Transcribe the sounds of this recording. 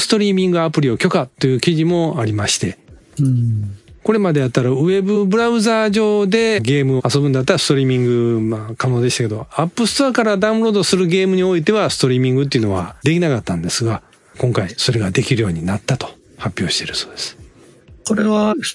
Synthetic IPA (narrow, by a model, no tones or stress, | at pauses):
sɨ̥t̪o̞ɾʲiːmʲĩŋɡɯapɯ̟ɾʲio̞kʲo̞kat̪ːo̞jɯ̟kʲiʑimo̞aɾʲimaɕi̥t̪e̞ | ko̞ɾe̞mad̪e̞jat̪ːaɾaɯ̟e̞bɯbɯ̟ɾaɯ̟zaːʑo̞ːd̪e̞ɡe̞ːmɯ̟oaso̞bɯ̃nd̪at̪ːaɾasɨ̥t̪o̞ɾʲiːmʲĩŋɡɯ̟makano̞ːd̪eɕt̪ake̞d̪o̞apːɯ̟sɨ̥t̪oakaɾad̪aɯ̟̃ɾo̞ːd̪o̞sɨɾɯ̟ɡe̞ːmɯ̟ɲ̟io̞it̪̬e̞βasɨ̥t̪o̞ɾʲiːmʲĩŋɡɯt̪̬ːeiɯ̟no̞βa̰d̪e̞kʲinakat̪ːãnd̪e̞sɨɡa | kõ̞ŋkaiso̞ɾe̞ɡad̪e̞kʲiɾɯ̟jo̞ːɲ̟inat̪ːat̪o̥ | hapʲːjo̞ːɕi̥t̪eɾɯ̟so̞ːd̪e̞sɨ̥ | koɾeβa